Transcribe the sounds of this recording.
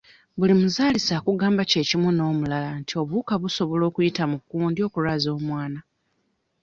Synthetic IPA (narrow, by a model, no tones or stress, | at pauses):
βulimuzaːlisaːkuɡaːmbace̞ːcimuno̞ːmulalantio̞βuːkaβuso̞βo̞lo̞ːkujitamukuːndio̞ːkuɾazo̞ːmwaːna